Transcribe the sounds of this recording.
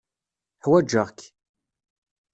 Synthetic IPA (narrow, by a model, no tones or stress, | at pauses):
ħwæd͡ʒːəʁk